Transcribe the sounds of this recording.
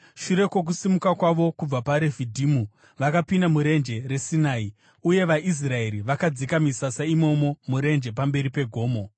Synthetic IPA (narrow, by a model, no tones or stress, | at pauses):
ʃuɾe̞kwe̞k̬usimukakwaʋo̞kub͡vapaɾe̞vʱidʱimu | ʋakapindamuɾe̞nd͡ʒe̞re̞sinaːi | uje̞ʋaʔis̬rae̞ɾiʋakad͡zikamisasaimo̞mo̞muɾe̞nd͡ʒe̞p̬ambe̞ɾipe̞ɡʱo̞ːmo̞